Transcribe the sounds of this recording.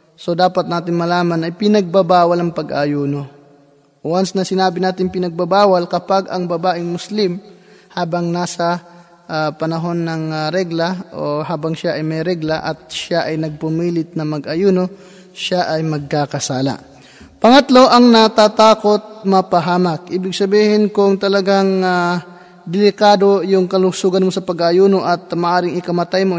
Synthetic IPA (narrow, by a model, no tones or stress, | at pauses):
so̞d̪aːpɐt̪naːt̪ɪnmɐlaːmɐnɐjpɪnɐɡ̚babaːwɐlɐŋpɐɡʔajuːno̞ | ʔwansnɐsɪnaːbɪnaːt̪ɪŋpɪnɐɡ̚babaːwɐlkɐpaɡɐŋbɐbaːʔɪŋmʊslɪmhaːbɐŋnaːsɐ | ʔpɐnɐɦo̞nːɐŋɾɛɡlaʔohaːbɐŋʃaʔɐjmɐjɾɛɡlaʔɐt̪̚ʃaʔɐjnɐɡ̚pʊmiːlɪt̪̚nɐŋmɐɡʔɐjuːno | ʃaʔɐjmɐɡ̚kakɐsaːla̰ | pɐŋɐt̪lo̞ʔɐŋnɐt̪at̪aːko̞t̪̚mɐpɐɦaːmak̚ʔiːbɪɡ̚sɐbiːhɪnkʊŋt̪ɐlɐɡaŋa | d̪ɪlɪkaːd̪o̞jʊŋkɐlʊsuːɡɐnmosɐpɐɡaʔjuːnoʔɐt̪̚mɐʔaːɾɪŋɪkɐmɐt̪ajmo